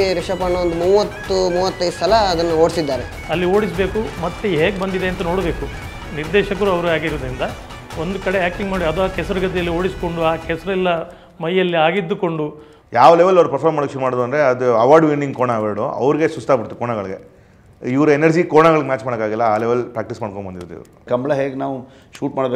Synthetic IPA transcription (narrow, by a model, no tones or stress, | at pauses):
ɾiʂɐpɐːɳːoːnd̪umuːʋɐt̪ːumuːʋɐt̪ːɐjssɐlɐːd̪ɐnːɐoːɖsid̪ːaːɾe | ɐlːio̞ːɽisbeːkumɐt̪ːeɦeːɡbɐnd̪id̪e̞ɐnt̪ɐno̞ːɽbe̞ːku | niɾd̪ɛːʃɐkɐɾuɐʋɐɾuaːɡiɾoːd̪ɾind̪ɐ | o̞nd̪ukɐɽeaːk̚ʈiŋɡmaːɽiɐd̪uaːkɛsɐɾɐɡɐt̪̬ɛjɐlːio̞ːɽisko̞ɳɖuaːkɛsɐɾɐɛlːɐ | mɐjːɐlːiaːɡid̪ːuko̞ɳɖu | jaːʋɐleʋɐlɐʋɾupɐɾpʰɐːɾmaːɽokʃuɾumaːɽd̪uɐnd̪ɾeɐd̪uɐʋaːɾɖʋinɖiŋɡkoɳaʋeɽuɐ̰ʋɾiɡe̞sust̪ʰaːbiɽɾt̪ːukoːɳaɡɐɭɡḛ | iʋɐɾuenɐɾd͡ʒikoːɳaɡɐɭiɡemjaːt͡ʃmaːɽɐkaːɡilːɐaːlɛʋɐlpɾaːk̚ʈismaːɽkoɳbɐnd̪iɾot̪ːuḭʋɾukɐmbɭɐɦeːɡenaːʋu | ʃuːʈ̚maːɽbe